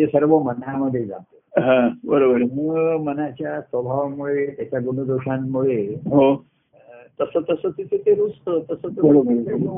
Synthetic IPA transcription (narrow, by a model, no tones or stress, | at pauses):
t̪esəɾʋəmənjaməd̪ʱːjed͡za̰t̪e̥ɦãbəɾobəɾməɡmənat͡ɕjasʋəbʱaʋmuɭet̪jat͡ɕjaɡuɳ̃əd̪uɕamːuɭeɦo | t̪əsət̪əsət̪it̪ʰet̪eɾust̪ət̪əsət̪bəɾobəɾo